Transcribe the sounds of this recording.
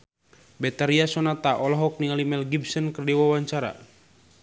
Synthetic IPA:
bɛt̪aɾiasɔnat̪aʔɔlɔɦɔk̚niŋalimɛlɡibsənkərdiwawaɲt͡ʃaɾa̰

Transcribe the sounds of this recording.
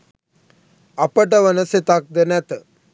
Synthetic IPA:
apəʈ̬əʋənəset̪ak̚d̪ənɛt̪ə

